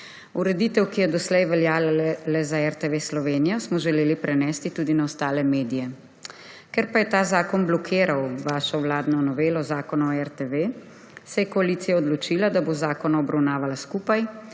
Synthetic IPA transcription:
uɾɛd̪iːt̪ɛwkijɛd̪ɔslɛjʋɛljaːlɛzaɛɾt̪eʋeːslɔʋeːnijɔsmɔʒɛleːlipɾɛnɛːst̪it̪uːd̪inaɔst̪aːlɛmeːd̪ijɛ | kɛɾpajɛt̪aːzaːkɔnblɔkʰeːɾawʋaːʃɔwlaːd̪nɔnɔʋeːlɔzaːkɔnɔɛɾt̪eʋe | sɛjɛkɔaliːt̪sijaɔd̪lɔt͡ʃilad̪abozaːkɔnaɔbɾawnaːʋalaskuːpaj

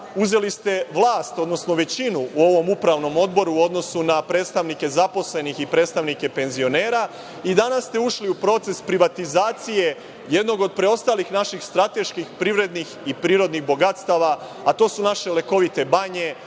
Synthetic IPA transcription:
uze̞list̪e̞ʋlˠaːst̪o̞d̪no̞sno̞ʋe̞t͡ɕinuuo̞ʋo̞mupɾaʋno̞mo̞d̪bo̞ɾuo̞d̪no̞sunapɾe̞ːt̪st̪aʋnike̞zapo̞sle̞nixipɾe̞ːt̪st̪aʋnike̞pe̞nzio̞ne̞ːɾa | id̪anasːt̪e̞uʃliupɾo̞t̪se̞spɾiʋat̪izaːt̪sije̞ | je̞d̪no̞ɡo̞d̪̚pɾe̞o̞st̪aːlixnaʃixst̪ɾat̪e̞ʃkixpɾiʋɾe̞d̪nixipɾiːɾo̞d̪nixbo̞ɡat̪st̪aʋa | at̪o̞ːsunaʃe̞leko̞ʋit̪e̞baɲe̞

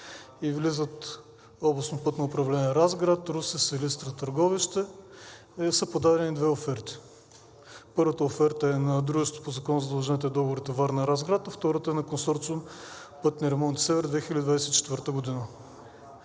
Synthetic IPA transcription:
ivlizət̪ | ɔblˠɐsnopɤt̪nəʊpɾɐvlɛnʲiɛɾazɡɾat̪ɾusɛsɛlist̪ɾɐt̪əɾɡɔviʃt̪ɛ | ɛsəpod̪aɾɛnid̪vɛofɛɾt̪i̥ | pɤɾvət̪əofɛɾt̪əɛnɐd̪ɾuʒɛst̪o̥pozɐkɔnzɐd̪ɐlˠʒɛnit̪ɛd̪ɔboɾit̪ɛvaɾnɐɾazɡɾat̪ɐft̪ɔɾət̪əɛnɐkonsɔɾt̪sʊm | pɤt̪niɾɛmɔnt̪sɛvɛɾd̪vɛxilʲəd̪id̪vajsɛt̪it͡ʃɛ̥t̪vəɾt̪əɡʊd̪inə

